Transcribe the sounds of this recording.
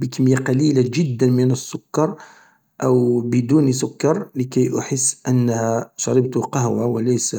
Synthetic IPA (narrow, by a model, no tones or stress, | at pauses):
bəkəmjaqɑlilaʒəd̪ːənmənəsːʊkːɑɾˤ | ʔæwbəd̪unis̬ʊkːɑɾˤləkæjʔʊħəsːʔənːhæʃɑɾˤɑbt̪ʊqɑhwawəlæjs